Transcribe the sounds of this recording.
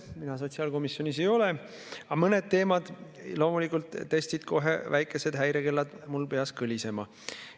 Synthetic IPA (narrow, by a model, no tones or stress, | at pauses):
minɑs̬o̞t̪ʲsiɑːlko̞misjo̞nise̞jo̞le̞ | ɑmɤne̞d̪̥̚t̪e̞ːmɑd̪̥lo̞ːmulikːˑult̪ːe̞st̪id̪̥kʰo̞ɦḛvæjkˑːe̞se̞d̪̥ɦæjɾeke̞lːɑd̪mulpe̞ɑskɯlʲise̞mɑ